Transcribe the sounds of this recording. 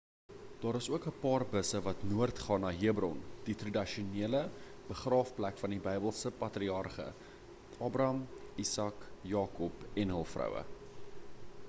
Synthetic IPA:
d̥ɑːɾəsuəkəpɑːrbəsəvɐtnuərtχɑːnɑːɦiəbrɔnd̥itrɐdiʃuniələ | b̥əχrɑːfplækfɐndibəjbəlˠsəpɐtriɑrχə̰ | ɑːbrɐmisɑkjɑːkɔpɛnɦəlˠfrœ̰wə̰

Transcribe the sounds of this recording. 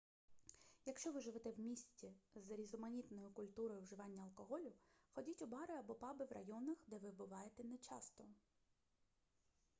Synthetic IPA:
jɐkʃt͡ʃɔʋɪʒɪʋɛt̪ɛwmʲisʲtʲizɾʲizɔmɐnʲit̪nɔjʊkʊlʲt̪uɾɔjʊwʒɪʋɑnʲːɐɐlˠkɔɦɔlʲʊxɔdʲitʲʊbɑɾɪɐbɔpɑbɪwrʔɐ̰jɔnɐxd̪ɛʋɪbʊʋɑjet̪ɛnɛt͡ʃɑ̰st̪ɔ

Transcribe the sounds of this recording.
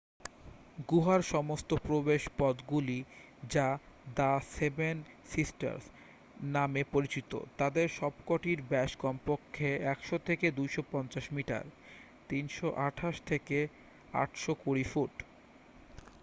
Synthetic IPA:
ɡuɦaɾʃɔmost̪opɾobeʃpɔd̪ɡuli | d͡ʑa | d̪aseben | sisʈa̰ɾs | namepoɾit͡ɕit̪o̰t̪ad̪eɾʃɔbkoʈiɾbɛʃkɔmpokʰːeɛkʃot̪ʰeked̪ujʃopɔnt͡ɕaʃmiʈa̰ɾ | t̪inʃoʔaʈʰaʃt̪ʰeke | a̰ʈʃokuɾifuʈ

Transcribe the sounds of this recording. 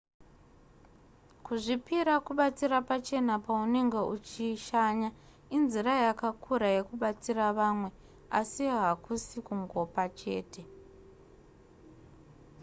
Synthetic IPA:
kuʐipiɾakuɓat͡sirapat͡ʃe̞napaune̞ŋɡe̞ut͡ʃiʃaɲa | inzirajakakʰuɾaje̞kuɓat͡siraʋamwe̞ | asiɦakusikuŋɡo̞pat͡ʃe̞̰ːte̞

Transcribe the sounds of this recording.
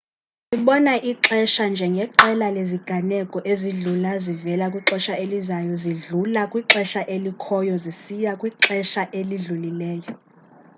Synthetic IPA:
siɓɔnaʔiǁɛʃand͡ʒʱɛŋɡʱɛǁɛlaleziɡ̥ʱanɛkʼɔʔeziɮulazivɛlakʼwiǁɛʃaelizajɔziɮulakʼwiǁɛʃaʔelikʰɔjɔzisijakʼwiǃɛʃaʔeliɮulilɛːjɔ

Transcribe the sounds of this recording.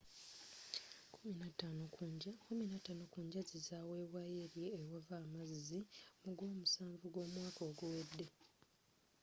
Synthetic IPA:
kuminatanokuminatːanokuːɲɟazizawe̞ːwajeɾjeːwavaːmazzimuɡwo̞ːmusaːɱvuɡwo̞ːmwaːkoːɡuwed̪ːe

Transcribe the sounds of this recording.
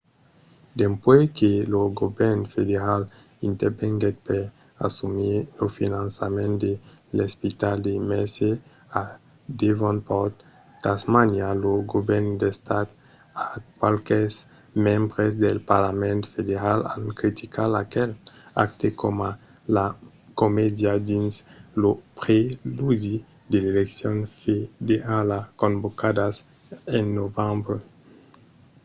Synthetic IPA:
d̪empweskeloɡobɛɾnfed̪eɾal | int̪eɾbeŋɡet̪̚peɾ | a̰sumilofinansamẽnt̪d̪elespit̪ald̪emɛse | a | d̪evonpɔt̪ | t̪asmanjaloɡobɛɾnd̪est̪at̪ | akwalkes | mẽmbʁezd̪elpaɾlamẽnt̪fed̪eɾala̰nkɾit̪ʰikʰala̰kɛla̰k̚t̪ekʰoma | la | komed̪jad̪inslopʁelud̪i | d̪eleleksjonfed̪ealakõmbokad̪as | enːovãmbɾe

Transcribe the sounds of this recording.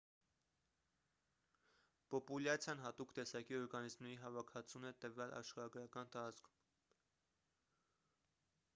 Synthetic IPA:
pɔpulɑt͡sʰjɑnɦɑt̪ukt̪ɛsɑkiɔɾɡɑnizmnɛɾiɦɑvɑkʰɑt͡sʰunɛt̪əvɑlʔɑ̰ʃχɑɾɑɡɾɑkɑnt̪ɑɾɑt͡skʰu̥m

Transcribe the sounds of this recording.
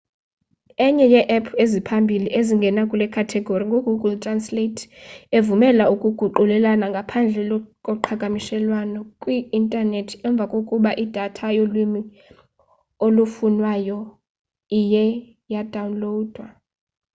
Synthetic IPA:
ɛɲɛjɛʔɛpʰezipʰambʱiliʔeziŋɡʱɛnakʼulɛkʰatʰɛɡʱoriŋɡʱoɡʱuɡʱultʼransletʰevumɛlaukʼuɡ̥ʱuǃulɛlanaŋɡʱapʰand͡ɮʱɛlɔkʼɔǃʰaɡ̥ʼʱamiʃɛlwanɔkʼwiintʼanetʰɛɱb̪vʱakʼokʼuɓaʔid̥ʱatʰajolimi | olufunwajɔ | ijɛ | jad̥ʱawunloːd̥ʱwa

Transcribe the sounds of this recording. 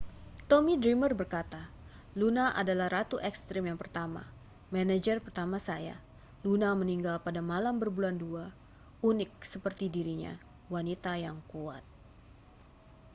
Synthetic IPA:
t̪omidɾimərbərkat̪a | lunaʔa̰dalahrat̪uʔɛkst̪ɾɪmjaŋpərt̪ama̰ | mɛnad͡ʒərpərt̪amasaja̰ | lunaməniŋɡalpadamalambərbulandua | unɪk̚səpərt̪idiɾiɲa̰ | wanit̪ajaŋkua̰t̪̚

